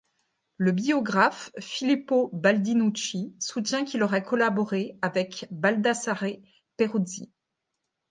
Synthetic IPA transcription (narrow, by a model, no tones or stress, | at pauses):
ləbiɔɡʁafːilipobald̪inut͡ʃisut̪jɛ̃kʲilɔʁɛkɔlabɔʁeavɛkbald̪asaʁe | peʁuzḭ